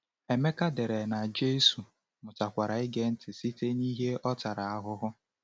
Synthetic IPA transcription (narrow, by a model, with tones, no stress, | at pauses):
e˨me˦ka˦de˨ɾe˨na˨d͡ʒe˦su˨ | mʊ˨ta˨kʷa˨ɾa˨ɪ˦ɡe˦n̩˦tɪ˨si˦te˦ni˦ɦe˦ɔ˦ta˨ɾa˨a˦ɦʊ˦ɦʊ˦